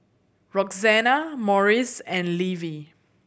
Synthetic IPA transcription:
ɹɔkzɛnamɔɹisɛ̃nlivi

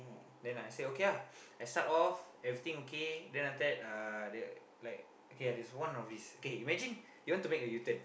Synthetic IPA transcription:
dɛ̃najseokeja | ajstatɔf | ɛvɹit̪ĩŋokedɛ̃nat̪ɛt̚adɛ | laɪk̚ | okejadɛswãnɔfdisokeimɛd͡ʒĩn | juwɔ̃ntumek̚əjut̪ə̃n

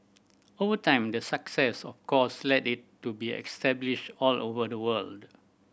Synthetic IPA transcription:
ovətãɪ̃mdəsaksɛsɔfkʰɔslɛtɪtːubiɛ̰kstɛbliʃtɔlovədəwəld

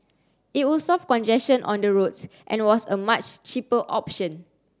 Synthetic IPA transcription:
it̚wilsɔfkɔ̃nd͡ʒɛst͡ʃə̃nʔɔ̰̃ndəɹotsʔɛ̰̃nwɔsəmat͡ʃt͡ʃipəʔɔpʃə̃n

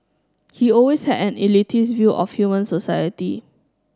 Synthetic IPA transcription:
hiɔlweshɛdɛ̃nilitʰisvjuʔɔ̰fhjumə̃nsosajəti

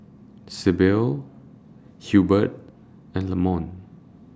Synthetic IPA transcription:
sebil | hjubət̚ | ɛ̃nləmɔ̃n

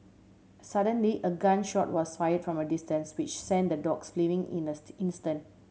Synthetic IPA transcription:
saɾə̃nliʔəɡãnʃɔt̚wɔsfajədfɹɔ̃mədistə̃nswɪt͡ʃsɛ̃ndədɔksflivɪ̃ŋḭ̃nəĩnstə̃nt̚

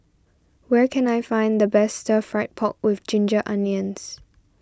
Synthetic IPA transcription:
wɛkʰɛ̃najfãɪ̃nd̪əbɛstəfɹaɪt̚pʰɔk̚wɪθd͡ʒɪ̃nd͡ʒəʔãnjə̃ns

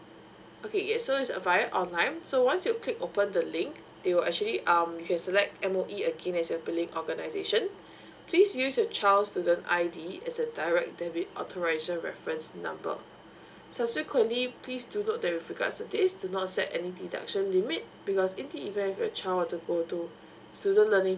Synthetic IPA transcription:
ʔokʰejɛsoisə̰vaɪəʔɔ̃nlãɪ̃nsowãnsjuklikopə̃ndəlɪ̃ŋk | dewilɛ̰k̚t͡ʃuəliʔãmjukɛ̃nsəlɛk̚tɛ̃moʔiəɡẽnɛsjɔbilĩŋʔɔɡənaɪzeʃə̃n | pʰlisjusjɔt͡ʃalstudə̃na̰jdiɛsdədaɪɹɛk̚dɛbiɔ̰tʰɔɹaɪzəɹɛ̰fɹə̃nsnã̰mbə̰ | sab̥sikʰwə̃ntliplisdunotdɛt̚wifɹiɡa̰tstudisdunɔt̚sɛ̰tɛ̰nidida̰k̚ʃə̃nlimit̚b̥ikɔsĩndiivə̃nifjət͡ʃʰalwɔtuɡotu | studə̃nlənĩŋ

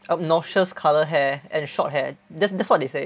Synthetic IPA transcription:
ʔəp̚nɔʃəskʰaləɦɛɛ̃nʃɔ̰t̚ɦɛdɛtsdɛtswɔt̚dese

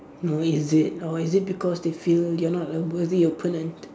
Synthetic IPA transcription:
noɪzɪt̚ɔizɪt̚bikʰɔsdefiljɔnɔtɛziopʰõnə̃nt

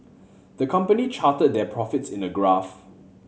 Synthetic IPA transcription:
d̥̪əkʰãmpənit͡ʃʰatəd̚dɛpʰɹɔfɪtsɪ̃nəɡɹaf

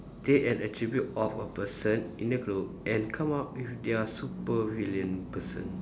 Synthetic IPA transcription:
deʔɛ̃nətɹibjut̚ɔfəpəsə̃nĩndəɡɹop̚ʔɛ̃nkʰãmaʊt̚wifdeasupəviljə̃npəsə̰̃n

